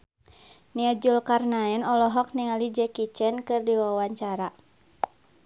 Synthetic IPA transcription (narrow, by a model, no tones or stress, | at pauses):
niad͡ʒulkarnaɛnɔlɔɦɔk̚niŋalid͡ʒɛkit͡ʃɛnkɨrdiwawaɲt͡ʃaɾa